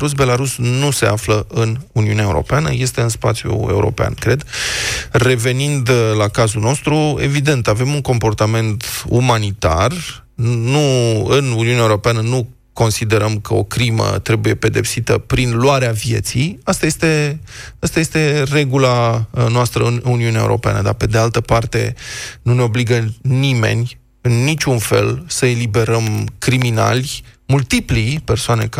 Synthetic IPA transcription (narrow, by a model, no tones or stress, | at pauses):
ɾus̬be̞laɾusnuse̞afləʔɨnuniuneaeṵɾo̰peanə̰je̞st̪e̞ɨnspa̰t̪sjṵe̞ṵɾo̞̰pea̰nkɾe̞d̪ | re̞ve̞nind̪lakazulno̞st̪ɾue̞̰vid̪e̞nt̪ave̞muŋko̞mpo̞rt̪ame̞nt̪umanit̪a̰r | nuɨnuniuneaeuɾo̞peanənu | ko̞nsid̪e̞ɾəmkəo̞̰kɾimə̰t̪ɾe̞buje̞pe̞d̪e̞psit̪əpɾinluaɾeavje̞̰t̪sijast̪aje̞st̪e̞ast̪aje̞st̪e̞re̞ɡulanoast̪ɾəɨnuniuneaḛṵɾʔo̞̰pea̰nə̰d̪a̰pe̞d̪e̞alt̪əpart̪e̞̰nuneo̞bliɡənime̞̰nʲ | ɨnːit͡ʃʲunfe̞̰lsəe̞libe̞ɾəmkɾimina̰lʲmult̪iplipe̞rsoane̞k